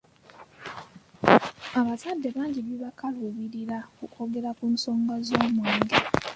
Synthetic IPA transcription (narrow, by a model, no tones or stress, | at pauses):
aβataːdːe̞βaːɲɟiβjoβakaluβiɾiɾakukʰoɡeɾakunsoːŋɡazoːmweːŋɡe